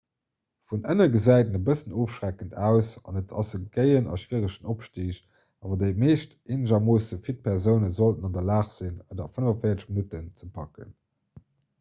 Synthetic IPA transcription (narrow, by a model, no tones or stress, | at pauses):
funənɐɡəzæɪtənəbəsənoːfʃʁækəntʰæːʊsɑ̰nətʰɑzəɡəɪənɑ̰ʃv̥iːʁəʃənopʃtiːʃ | ʔɑːvɑdeɪmeːʃt | eːnəʑɐmoːsəfit̚pʰɛʁzəʊnəzoltənɑndɐlaːχz̥inədɐfənəvɐnfeɪɐtəʃminutənt͡səpʰɑkə̰n